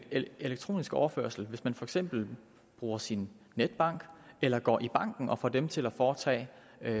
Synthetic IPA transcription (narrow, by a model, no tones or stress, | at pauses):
e̝leɡ̥̚t͡sʰʁo̝̰ːnisɡ̥ɒʊɐfø̰ɐ̰sl̩ʋe̝smænfɒ̽eɡ̥sem̰b̥l̩ | b̥ʁuːɐsinː | ed̥̚b̥ɑ̈ŋ̰ɡ̥elɐɡ̥ɒ̰ːʔib̥ɑ̈ŋ̰ɡ̥n̩ʔɒ̽fɒ̰ːd̥emt͡sʰe̝læfɒːt͡sʰɛ̰ː